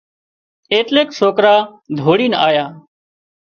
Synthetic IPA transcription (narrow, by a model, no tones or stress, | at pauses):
eːʈ̪leːksoːkɾaːd̪ʱoːɽiːnaːjaː